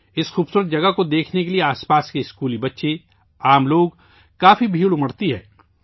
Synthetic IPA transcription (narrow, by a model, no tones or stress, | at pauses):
ɪsxuːbsuːɾət̪̚d͡ʒɐɡəkod̪eːkʰnekelieaːspaːskeɪskuːlibɐtːʃe | aːmloːɡ | kaːfibʱiːɭʊməɽt̪iɦɛ̰ː